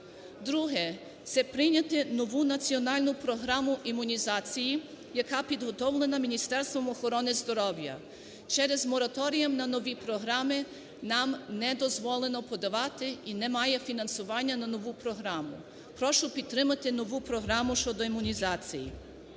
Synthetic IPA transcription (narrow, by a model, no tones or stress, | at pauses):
d̪ɾuɦɛ | t̪sɛpɾɪnʲɐt̪ɪnɔʋunɐt͡sʲiɔnɑlʲnʊpɾɔɦɾɑmʊʔimʊnʲizɑt͡sʲiji | jɐkɑpʲid̪ɦɔt̪ɔwlˠenɐmʲinʲist̪ɛrst̪ʋɔmɔxɔɾɔnɪzd̪ɔɾɔwjɐ̰ | t͡ʃɛɾɛzmɔɾɐt̪ɔɾʲijɐmnɐnɔʋʲipɾɔɦɾɑmɪ | nɑmnɛd̪ɔzʋɔlˠenɔpɔd̪ɐʋɑt̪ɪinɛmɑjɛfʲinɐnsʊʋɑnʲːɐnɐnɔʋupɾɔɦɾɑmʊ | pɾɔʃʊpʲid̪t̪ːɾɪmɐt̪ɪnɔʋupɾɔɦɾɑmʊʃt͡ʃɔd̪ɔimʊnʲizɑt͡sʲijḭ